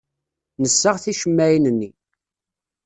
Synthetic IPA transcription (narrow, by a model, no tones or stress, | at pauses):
nəsːəʁθiʃəmːæjinənːi